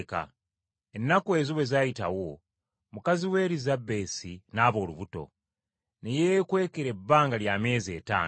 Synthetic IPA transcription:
ka̰ | e̞nːakue̞zuβwe̞zajita̰wo̞ | mukaziwe̞ːɾizabːe̞ːsinaːβo̞ːluβuto̞̰ | nejekwe̞ːkeɾe̞bːaːŋɡaljame̞ːze̞ːta̰ː

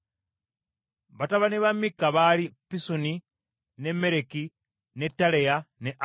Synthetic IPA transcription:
βataβaneβamːikːaβalipisuni | ne̞me̞ɾeki | ne̞tːalejaneʔ

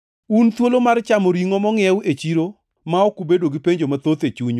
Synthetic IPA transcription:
unt̪wolomart͡ʃamɔɾiŋɔmɔŋɛwet͡ʃiɾo | maɔkubedoɡipeɲd͡ʒomat̪ot̪et͡ʃuɲ

